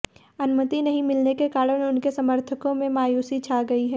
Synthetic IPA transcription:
ɐnʊmət̪inɐɦĩmɪlnekekaːɾənʊnkesɐməɾt̪ʰəkõmẽmaːjuːsit͡ʃʰaːɡɐiɦɛː

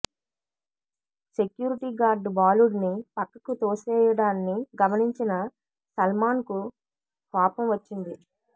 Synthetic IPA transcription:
se̞kjuːɾiʈiːɡaːɾɖbaːluːɖnipɐkːɐkut̪oːsɛːjɐɽaːnːiɡɐmɐniɲt͡ʃinɐ | sɐlmaːnku | haːpɐmʋɐt͡ʃːind̪i

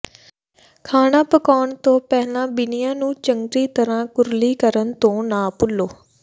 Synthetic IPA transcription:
kʰaːnãːpəkɔːɳt̪õːpɛːlãːbɪnɪjãːnũːt͡ʃəŋɾiːt̪əɾãːkʊɾliːkəɾənt̪õːnãːpʊlːoː

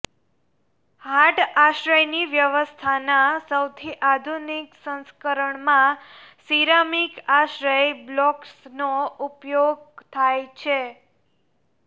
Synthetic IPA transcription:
haʈaʃɾəjniʋjəʋəst̪ʰanasəwt̪ʰiʔad̪ʱuniksə̃nskəɾəɳmãsiɾamikaʃɾəjblɔksnoupjoɡ̚t̪ʰajt͡ʃʰe

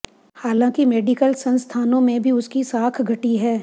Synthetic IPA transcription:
haːlãːkimeːɖikəlsɐ̃nst̪ʰaːnõmẽbʱiʊskisaːkʰɡʱɐʈiɦɛː

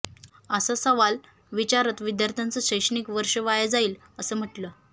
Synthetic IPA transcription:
əsəsəʋal | ʋit͡ɕaɾət̪ʋid̪jaɾt̪ʰant͡səɕəjɕəɳiːkʋəɾʂəʋajad͡zaiːl | əsəːm̤əʈləː

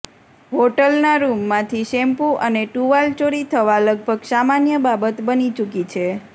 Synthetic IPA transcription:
ɦoʈəlnaɾumːãt̪ʰiʃɛmpuʔəneʈuʋalt͡ʃoɽit̪ʰəʋaləɡ̚bʱəɡsamanjəbabət̪bənit͡ʃukit͡ʃʰe

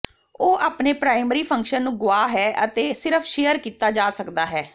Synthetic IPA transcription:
oːʔaːpneːpɾaːɪməɾiːpʰə̃ŋkʃənːũːɡʊaːɦɛːʔət̪eːsɪɾəpʰʃejəɾkiːt̪aːd͡ʒaːsəkd̪aːɦɛː

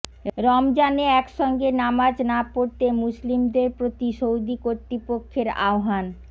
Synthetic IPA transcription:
ɾɔmd͡ʑaneɛkʃɔŋɡenamad͡ʑnapoɾt̪emuslimd̪eɾpɾot̪iʃowd̪ikoɾt̪ɾipokʰːeɾa̰oɦan

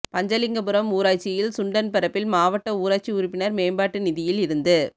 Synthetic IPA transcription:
pɐɲd͡ʒɐlɪŋɡɐpɯɾɐmuːɾaːt͡ʃːɪjɪlsʊɳɖɐnpɪɾɐpːɪlmaːʋɐʈːɐuːɾaːt͡ʃːiʊɾʊpːɪnɐɾmeːmbaːʈːɯnɪðɪjɪlɪɾɯnd̪ɯ

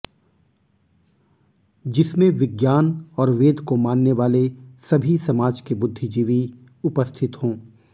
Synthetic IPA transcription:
d͡ʒɪsmẽʋɪɡjaːnɔːɾʋeːd̪ʱkomaːnːeʋaːlesɐbʱisɐmaːd͡ʒkebʊd̪ʱːid͡ʒiːʋi | ʊpəst̪ʰɪt̪ɦõː

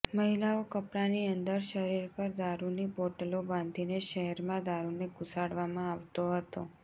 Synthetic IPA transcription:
məɦilaokəpɾaniənd̪əɾʃəɾiɾpəɾd̪aɾuniboʈəlobãnd̪ʱineʃəɦɛɾmãd̪aɾuneɡusaɽʋamãaʋt̪oɦət̪o

